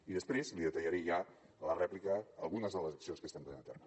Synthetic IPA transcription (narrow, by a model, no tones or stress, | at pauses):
iðəspɾezliðət̪əʎəɾeʒa | ələrɛplikəːlˠɣunəzðələzəksionskəst̪amp̪ənenət̪ɛrmə